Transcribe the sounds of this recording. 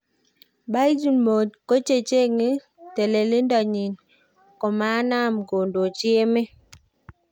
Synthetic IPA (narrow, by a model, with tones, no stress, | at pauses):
ba˦d͡ʒi˦mo˨tko˦t͡ʃe˦t͡ʃe˦ŋi˦ | te˨le˨lɪ˦ndɔ˨ɲi˨n | kɔ˨ma˨˦na˦˨mɡo˨ndo˨t͡ʃɪ˦e˦mɪ˦